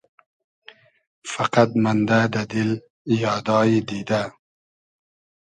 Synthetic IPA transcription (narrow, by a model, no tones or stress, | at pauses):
faqat̪mand̪ad̪ad̪ɪl | jɑːd̪ɑːjid̪id̪a